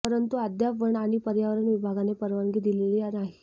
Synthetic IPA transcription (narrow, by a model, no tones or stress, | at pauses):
əɾənt̪uad̪japəɳaɽ̃ipəɾjaʋəɾəɳʋibʱaɡanepəɾʋaŋɡiːd̪ileliːaɾnaɦi